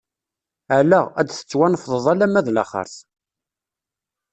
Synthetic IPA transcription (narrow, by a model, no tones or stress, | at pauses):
ʕlææd̪θə̥t͡sːwænəfðˤəðˤælæmːæðlæ̰χə̰ɾθ